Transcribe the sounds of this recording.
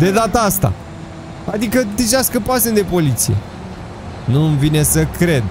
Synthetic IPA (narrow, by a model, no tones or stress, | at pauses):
d̪e̞d̪at̪əast̪a̰ | ad̪ikət̪iʃaskəpoasend̪e̞po̞lit̪sije̞̰ | nuɨnvine̞səkɾe̞d̪